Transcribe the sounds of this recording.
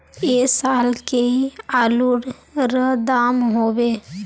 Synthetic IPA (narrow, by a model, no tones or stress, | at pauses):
esaːlkeiaːluɽɾəd̪aːmɦoːbe